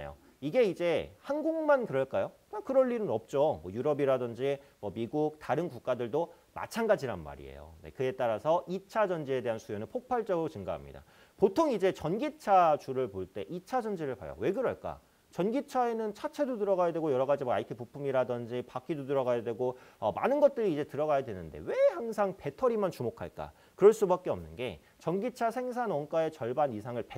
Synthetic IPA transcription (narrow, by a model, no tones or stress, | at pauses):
jo̰ | iɡe̞id͡ʑe̞hanɡuŋmankɯɾʌɭk͈ajo | akɯɾʌɭːiɾɯnʌp̚t͡ɕ͈omwʌjuɾʌbiɾadʌnd͡ʑimwʌmiɡuk̚taɾɯnkuk̚k͈adɯɭdo | ma̰t͡ɕʰanɡad͡ʑiɾanma̰ɾḭḛjo̰ne̞̰kɯe̞t͈aɾasʰʌit͡ɕʰad͡ʑʌnd͡ʑie̞de̞ɦansʰujonɯnpʰok̚pʰaɭt͡ɕ͈ʌɡɯɾot͡ɕɯŋɡaɦa̰mɲḭda̰ | potʰoŋid͡ʑe̞t͡ɕʌnɡit͡ɕʰat͡ɕuɾɯɭpoɭt͈e̞ʔit͡ɕʰad͡ʑʌnd͡ʑiɾɯɭpa̰jʌ̰we̞ɡɯɾʌɭk͈a̰ | t͡ɕʌnɡit͡ɕʰae̞nɯnt͡ɕʰat͡ɕʰe̞dotɯɾʌɡajadwe̞ɡojʌɾʌɡad͡ʑimaaikʰipupʰumiɾadʌnd͡ʑipakʰidotɯɾʌɡajadwe̞ɡoʌma̰nɯnɡʌt̚t͈ɯɾiːd͡ʑe̞tɯɾʌɡajadwenɯnde̞̰we̞haŋs̬ʰaŋpe̞tʰʌɾimant͡ɕumokʰa̰ɭk͈a̰ | kɯɾʌɭs͈ubak̚k͈eʌ̰mnɯnɡe̞̰ | t͡ɕʌnɡit͡ɕʰasʰe̞ŋs̬ʰanwʌŋk͈ae̞t͡ɕʌɭbanisʰaŋɯɭpe